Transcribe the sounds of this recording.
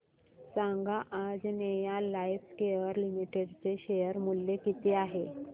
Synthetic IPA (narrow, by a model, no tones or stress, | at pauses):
saŋɡaʔːd͡znejalajfkejəɾlimiʈeɽt͡seɕejəɾmuljekit̪eaɦe